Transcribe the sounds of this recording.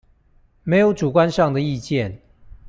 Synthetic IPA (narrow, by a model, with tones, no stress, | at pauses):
me˧˥ɪjo˧˥ʊʈ͡ʂu˨˩kwa˦nʂɑ˥˩ŋd̪ə˩i˥˧t͡ɕjɛ˥˨˩n